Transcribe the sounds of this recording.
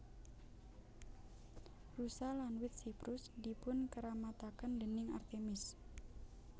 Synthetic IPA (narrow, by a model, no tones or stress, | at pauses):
rusalanwɪt̪̚sipɾʊsdipʊnkəɾamat̪akəndənɪŋa̰rt̪emɪs